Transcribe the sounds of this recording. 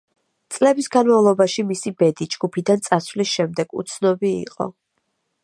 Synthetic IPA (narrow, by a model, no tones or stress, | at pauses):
t̪sʼlɛbisɡanmavlˠɔbaʃimisibɛd̪id͡ʒɡupʰid̪ant̪sʼasvlisʃɛmd̪ɛɡ̥ṵt̪sʰnɔbiḭqʼɔ̰